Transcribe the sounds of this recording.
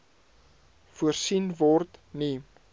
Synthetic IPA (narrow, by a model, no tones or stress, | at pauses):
fuərsinvɔrtni